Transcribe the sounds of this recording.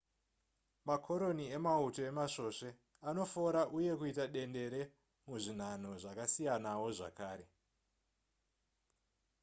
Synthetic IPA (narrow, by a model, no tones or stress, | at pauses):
makʰo̞ɾo̞niemauto̞e̞maʂo̞ʂe̞ | ano̞fo̞ɾaʔuje̞kuitaɗe̞nde̞ɾe̞ | muʐin̤an̤o̞ʐakasijanawo̞ʐa̰kaːɾe̞